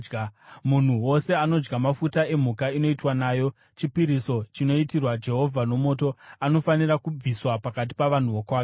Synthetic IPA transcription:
mun̤uwo̞se̞ano̞d͡ʒɡamafutae̞m̤ukaino̞itwanaːjo̞ | t͡ʃipiɾiso̞t͡ʃino̞itirwad͡ʒe̞ɦo̞vʱano̞mo̞ːto̞ano̞faniɾakub͡viswapakat̬i̥paʋan̤uʋokwaːke

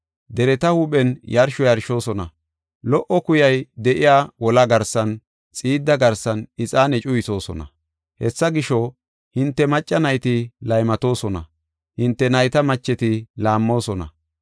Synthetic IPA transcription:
d̪ɛɾɛt̪ɐhuɓɛnjɐɾʃɔjɐɾʃo̞ːsɔnɐ | lɔʔɔkʊjɐjd̪ɛʔɪjaːwɔlɐɡɐɾsɐn | t͡sʼiːd̪ːɐɡɐɾsɐnɪt͡sʼaːnɛt͡ʃʼʊjɪso̞ːsɔnɐ̰ | hɛsːɐɡɪʃɔ | hɪnt̪ːɛmɐt͡ʃʼːɐnɐjt̪ɪlɐjmɐt̪o̞ːsɔnɐ̰ | hɪnt̪ːɛnɐjt̪ɐmɐt͡ʃːɛt̪ɪlaːmːo̞ːsɔnɐ̰

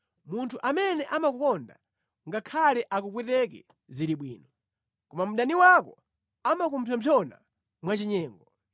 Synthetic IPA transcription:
muntʰuʔamɛnɛʔamakukɔnda̰ | ŋɡakʰalɛʔakupwɛtɛk̬ɛ | ziɾiɓwḭːnɔ | kɔmam̩ɗaniwakɔ | amakum̩pʰjɔmpʰjɔna̰ | mwat͡ʃiɲɛːŋɡɔ

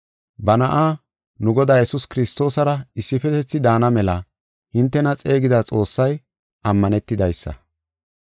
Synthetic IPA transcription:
bɐnɐʔaː | nʊɡɔd̪aːjɛsʊskɪɾɪst̪o̞ːsɐɾɐɪsːɪfɛt̪ɛt͡sːɪd̪aːnɐmɛlɐ | hɪnt̪ːɛnɐt͡sʼe̞ːɡɪd̪at͡sʼo̞ːsːɐj | ʔɐmːɐnɛt̪ːɪd̪ɐjsːɐ̰

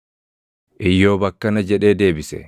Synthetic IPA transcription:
ʔɪjːoːbɐkːɐnɐd͡ʒɛᶑeːd̪e̞ːbɪsɛ̰

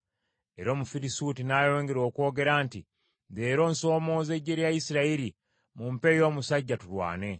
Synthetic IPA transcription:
e̞ɾo̞ːmufiɾisutinaːjo̞ːŋɡeɾo̞ːko̞ːɡe̞ɾantḭ | de̞ːɾo̞ːnso̞ːmo̞ːze̞ɟːe̞ɾjaisiɾaiɾi | mumpe̞jo̞ːmusaɟːatulwa̰ːne̞

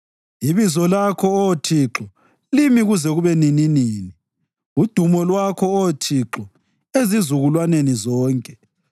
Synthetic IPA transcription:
iβizɔlakʰɔɔtʰiǁɔ | limiɣuzɛɣuβɛnininiːni | ud̥ʱumɔlwakʰɔɔtʰiǁɔ | ezizuɣulwanenizɔːŋkʼɛ̥

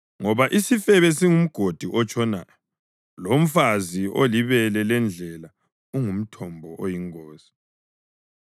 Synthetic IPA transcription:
ŋɔβaʔisifɛβɛsiŋum̩ɡ̥ʱod̥ʱiʔɔt͡ʃʰʼɔna̰ːjɔ | lom̩fazio̰liβɛlɛlɛnd͡ɮʱɛla | uŋum̩tʰɔmbʱɔʔojiŋɔːsi̥

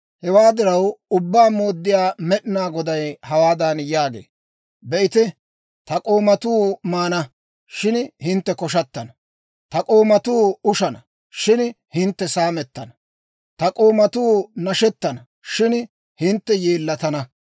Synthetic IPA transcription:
hɛwaːd̪ɪɾɐwʊbːaːmo̞ːd̪ːɪjaːmɛɗɪnaːɡɔd̪ɐjhɐwaːd̪ɐnjaːɡḛː | bɛʔɪt̪ɪ | t̪ɐkʼo̞ːmɐt̪uːmaːnɐ | ʃɪnhɪnt̪ːɛkɔʃ̬ɐt̪ːɐnɐ | t̪ɐkʼoːmɐt̪uːʊʃɐnɐ | ʃɪn | hɪnt̪ːɛsaːmɛt̪ːɐnɐ | t̪ɐkʼo̞ːmɐt̪uːnɐʃɛt̪ːɐnɐ | ʃɪn | hɪnt̪ːɛjeːlːɐt̪ɐnɐ

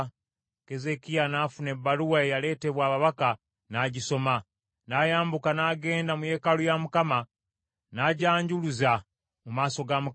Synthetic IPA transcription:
ke̞ze̞kijanaːfune̞bːaluwaejale̞ːte̞βwaːβaβaka | naːɟiso̞ma | najaːmbukanaɡe̞ːndamuje̞ːkalujamukama | naɟaːɲɟuluza | mumaːso̞ɡamu

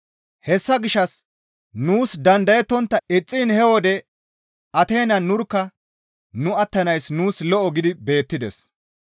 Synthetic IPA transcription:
hɛsːɐɡɪʃːɐs | nuːsd̪ɐnd̪ɐjɛt̪ːɔnt̪ːɐɪt͡sʼːɪnhɛwɔd̪ɛ | ʔɐt̪e̞ːnɐnʊɾkːɐ | nʊɐt̪ːɐnɐjsnuːslɔʔɔɡɪd̪ɪbe̞ːt̪ːɪd̪ɛ̰s

